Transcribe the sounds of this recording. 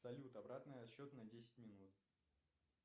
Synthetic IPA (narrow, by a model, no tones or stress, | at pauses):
sɐlʲut̪ɐbɾat̪nəjəɐɕːot̪nɐdʲesʲɪ̥tʲmʲɪnut̪̚